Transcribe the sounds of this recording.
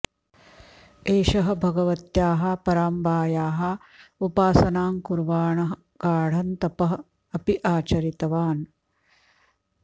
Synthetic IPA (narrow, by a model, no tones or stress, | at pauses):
eːʃɐɦɐ̆bʱɐɡɐʋɐt̪jaːɦɐ̆pɐɾaːmbaːjaːɦɐ | upaːsɐnaːmkuɾʋaːɳɐɦɐ | kaːɽ̤ɐnt̪ɐpɐɦɐ̆ | ɐpiʔaːt͡ʃɐɾit̪ɐʋaːn